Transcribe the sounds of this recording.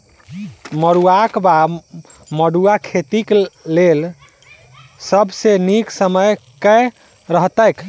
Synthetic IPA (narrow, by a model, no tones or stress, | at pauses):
məɽuakba | məɽuakʰet̪iklel | səbseniksəməjkɛ | ɾəɦt̪əjk